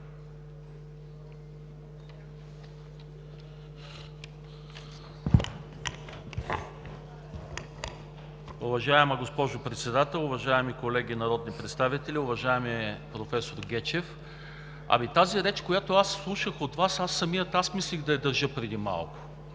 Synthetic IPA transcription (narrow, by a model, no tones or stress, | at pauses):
ʊvɐʒaɛmɐɡospɔʒopɾɛt̪sɛd̪at̪ɛlˠʊvɐʒaɛmikolɛɡʲinɐɾɔd̪nipɾɛt̪st̪avit̪ɛlʲiʊvɐʒaɛmiɛpɾofɛsoɾɡʲɛt͡ʃɛf | ɐ̰mit̪aziɾɛt͡ʃkojat̪oasːlˠuʃəxot̪vasasːɐmijət̪asmislʲixd̪ɐɛd̪ɐɾʒɤpɾɛd̪ima̰lˠkʊ̥